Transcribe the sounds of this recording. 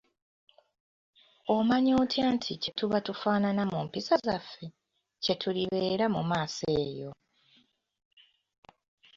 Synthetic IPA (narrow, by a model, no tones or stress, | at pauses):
omaɲoːtʰaːntʰice̞tuβatufaːnanamumpisazafːe̞ | ce̞tʰuliβe̞ːɾamṵmaːse̞ːjo̞